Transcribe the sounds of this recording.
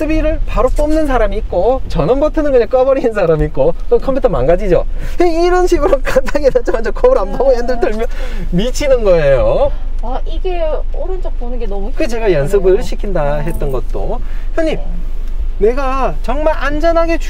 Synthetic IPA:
sʰɯbiɾɯɭpaɾop͈ʌmnɯns̬ʰaɾamiːk̚k͈ot͡ɕʌnʌmbʌtʰɯnɯnɡɯɲak͈ʌbʌɾinɯnsʰaɾamiːk͈okɯkʰʌmpʰutʰʌma̰nɡad͡ʑid͡ʑoeiɾʌnɕʰiɡɯɾok͈ʰatʰaŋenat͡ɕ͈omad͡ʑokʰʌbɯɾambʌŋojandɯɭdɯɭmjʌn | mit͡ɕʰinɯnɡʌejo | aiɡe̞ʌɾɯnd͡ʑʌk̚ponɯnɡenʌmukɯɡet͡ɕe̞ɡajʌns̬ʰɯɡɯɭɕʰikʰindaɦe̞t̚t͈ʌnɡʌt̚t͈o̰hjʌɲim | ne̞ɡat͡ɕʌŋmaɾʔand͡ʑʌnɦaɡe̞t͡ɕ

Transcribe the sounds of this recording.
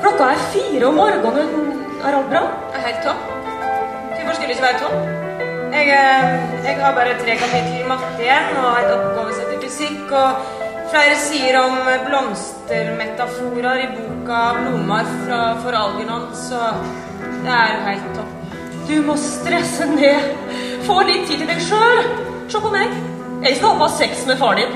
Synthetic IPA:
kʰlɔkːɑæfiːɾəɔmoːɾɡɔŋːən | æ̰ɾɑlt̪̚bɾɑ | ɦæɪlt̪ʰːɔpː | d̪ʉfɔʂkəlɪsɔʋæɾət̪ʰɔp | ɛɡ | ɛɡhɑɾbɑːɾət̪ʰɾɛːkɑfɛt̪ʰəɾɪmɑt̪ːəɛnɔhæɪt̪ɔpɡɑːʋəsət̪ɪfʉsɪkːɔ | flæɪɾəsiːəɾɔmblɔmst̪əɾmɛt̪ɑfuːɾɑɾɪbuːkɑmʊmːɑɾfɾɑfɔɾɑlɡ̪ənɔnsɔ | d̪ɛæɾjʊɦæɪlt̪ɔ | d̪ʉmɔst̪ɾɛsːənɛː | foːlɪt̪ʰːiːd̪ʰɪld̪ɛɡʂøːl | ʂɔpːɔmɛ | ʔɛɑɑsɛksmɛfɑːɖɪ

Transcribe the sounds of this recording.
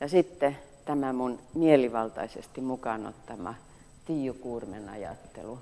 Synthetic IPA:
jɑsit̪ːet̪æmæmunmieliʋɑlt̪ɑ̰isḛst̪imukɑno̰t̪ːɑmɑ̰ | t̪iːjukuːrmenɑ̰jɑ̰t̪ːḛlu

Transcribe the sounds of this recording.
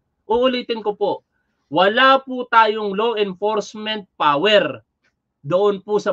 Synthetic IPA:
ʔʊʔʊliːt̪ɪnkopo | wɐlaːput̪aːjoŋloʔɪnfoɾsmɛnt̪̚paːwɛɾ | d̪ʊʔonpʊsɐ

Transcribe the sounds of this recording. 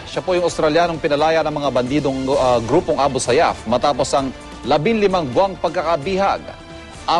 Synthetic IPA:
ʃapojʊŋɐwst̪ɾɐljaːnoŋpɪnɐlaːjɐnɐŋmɐŋabɐnd̪iːd̪oŋɡɾuːpoŋʔaːbʊsɐja̰fmɐt̪aːpo̞sɐŋ | lɐbɪŋlɪmaŋbwaŋpɐɡ̚kɐkɐbiha̰ɡ̚ | ʔɐ

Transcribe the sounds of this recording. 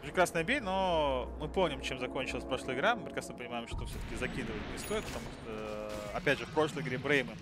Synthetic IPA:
ɪkɾasnəjɐbʲejʲnomɨpomnʲɪmt͡ɕemzɐko̞nʲt͡ɕɪlˠəsʲpɾɐʂlˠəjɪɡɾamɨpʲɾʲɪkɾasnəpənʲɪmajɪmʂt̪ofsʲot̪ə̥kʲɪzɐkʲid̪ɨvətʲnʲɪst̪o̞ɪt̪̚pə̥t̪ɐmuʂt̪ə | ɐpʲædʲʐɨfpɾo̞ʂlˠəjɡɾʲebɾejmɨ

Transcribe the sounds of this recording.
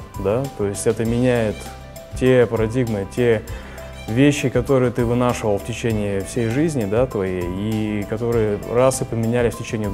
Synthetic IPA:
d̪at̪o̞jɪsʲtʲɛt̪əmʲɪnʲæjɪt̪ | tʲepəɾɐdʲiɡmɨtʲe | vʲeɕːɪkɐt̪o̞ɾɨjət̪ɨvɨnaʂɨvəlˠftʲɪt͡ɕenʲɪɪfsʲejʐɨzʲnʲɪd̪at̪vɐjejikɐt̪o̞ɾɨjərasɨpəmʲɪnʲælʲɪfʲtʲɪt͡ɕenʲɪː

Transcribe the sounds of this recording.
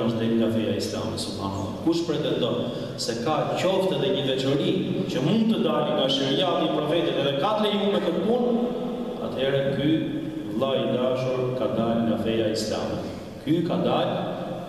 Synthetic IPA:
əʃd̪ɛlŋɡafɛjaisla̰mɛsubhana̰lkuʃpɾɛt̪ɛnd̪ɔn | sɛkacɔft̪ɛðɛɲəd̪ɛt͡ʃəɾicəmund̪̚t̪əd̪aɾiŋɡaʃiɾjat̪ipɾɔfɛt̪ɛt̪ɛðɛkat̪lɛjumɛk̪ət̪pun | a̰t̪hɛɾɛky | lˠaid̪aʃuɾkad̪alŋɡafɛjaisla̰mɛ̰ | kykad̪al

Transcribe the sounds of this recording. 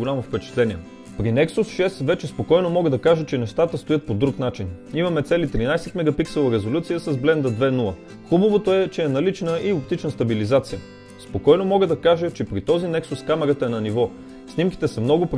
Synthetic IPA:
ʊlʲamofpɛt͡ʃɛ̥t̪lɛniɛ | pɾinɛksusʃɛsvɛt͡ʃɛspokɔjnomɔɡəd̪ɐkaʒət͡ʃɛnɛʃt̪at̪əst̪ojɤt̪̚pod̪ɾuknat͡ʃinimɐmɛt̪sɛlit̪ɾinajsɛt̪mɛɡɐpiksɛlˠɐɾɛzolʲut̪sijəsɐzblɛnd̪əd̪vɛnulˠə | xubəvot̪oɛt͡ʃɛːnɐlit͡ʃnəiop̚t̪it͡ʃnəst̪ɐbilizat̪sijə | spokɔjnomɔɡəd̪ɐkaʒət͡ʃɛpɾit̪ɔzinɛksuskamɛɾɐt̪əɛnɐnivɔ | snimkʲi̥t̪ɛsɛmnɔɡʊpɾ

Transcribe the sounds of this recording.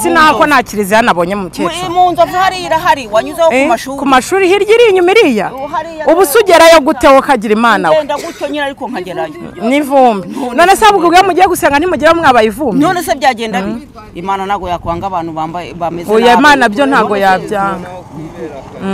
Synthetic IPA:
sin̥akonhaciɾizijanaβo̞ːɲemumucemuːnzavuhaɾiɾaɦaɾiwaɲuzakumaʃuɾihiɾjiɾiɲumiɾijauβusuɟeɾajoɡutewokaɟiɾimaːnawndaɡutoɲinaɾikoŋ̥aɟeɾajonivuːmbinoːneseaβuɡibɡiamuɟieɡuseːŋɡan̥imuɟiɾamŋaβajivuːmbnonesebjaːɟeːnda | imaːnanaɡojakaːŋɡaβaːnuβaːmbaβamezujaimaːnabjon̥haːɡo̞jabjaːŋɡa

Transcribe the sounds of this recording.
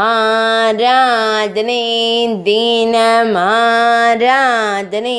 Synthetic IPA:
aːɾaːd̪nid̪iːnɐmɐɦaɾaːd̪ni

